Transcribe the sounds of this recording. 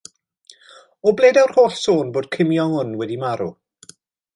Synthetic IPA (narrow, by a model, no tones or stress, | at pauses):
ɔblˠeːdawr̥hoːħsoːnboːd̥kʰɪmjɔŋʊnwɛdimaɾṵ